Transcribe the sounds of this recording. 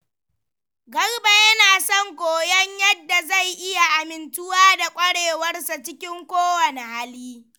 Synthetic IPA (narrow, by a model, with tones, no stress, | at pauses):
ɡɐ˦rba˨jɐ˦naː˨sɔ˦˨ŋkʷoː˨jɐ˦ɲjɐ˦dːa˨za˦˨jʔɪ˦ja˨ʔa˨mɪ˨ntʊ˦waː˦da˨kʷʼɐ˦ɽeː˨wɐ˦rsa˨t͡ʃɪ˦kʲɪ˦ŋkʷoː˦wɐ˨ne˨haː˦liː˦